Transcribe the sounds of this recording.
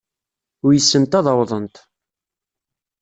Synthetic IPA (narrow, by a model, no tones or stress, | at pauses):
ʊɾjəsːənt̪ɑðˤɑwðˤənt̪